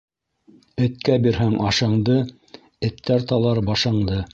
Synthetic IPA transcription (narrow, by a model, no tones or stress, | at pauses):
ɘ̆t̪̚kæbiɾɦæŋʔɑʃɤɴd̪ɤ | ɘ̆t̪ːæɾt̪ɑlˠɑɾbɑʃɑ̆ɴd̪ɤ